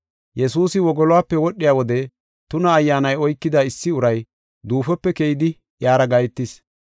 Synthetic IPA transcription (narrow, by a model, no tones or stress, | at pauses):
jɛsuːsɪwɔɡɔlʊwaːpːɛwɔɗːɪjaːwɔd̪ɛ | t̪ʊnɐːjːaːnɐjɔjkːɪd̪aɪsːɪʊɾɐj | d̪uːfɔpːɛkejɪd̪ɪ | jaːɾɐɡɐjt̪ːɪs